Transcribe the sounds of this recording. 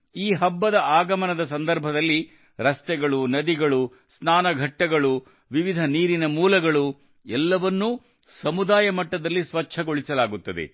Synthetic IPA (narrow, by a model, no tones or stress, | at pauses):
iːɦɐbːɐd̪ɐaːɡɐmɐnɐd̪ɐsɐnd̪ɐɾbʱɐd̪ɐlːi | ɾɐst̪ɛɡɐɭunɐd̪iɡɐɭu | snaːnɐɡʱɐʈːɐɡɐɭu | ʋiʋid̪ʱɐniːɾinɐmuːlɐɡɐɭu | ɛlːɐʋɐnːu | sɐmud̪aːjɐmɐʈːɐd̪ɐlːisʋɐt͡ʃʰɐɡoɭisɐlaːɡut̪ːɐd̪ḛ